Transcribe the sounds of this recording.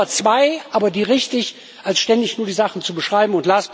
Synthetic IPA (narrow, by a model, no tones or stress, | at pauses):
ɐt͡sv̥aɪʔaːbɐdiːʁɪçtɪç | ʔalsʃtɛndɪçnuːɐdiːzaχn̩t͡subəʃʁ̥aɪbm̩ʊntlaːs